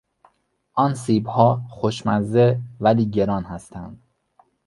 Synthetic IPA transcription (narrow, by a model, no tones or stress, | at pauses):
ʔɒːnsiːbhɒːxoʃmæzevæliːɟe̞ɾɒːnhæst̪ʰænd̪̥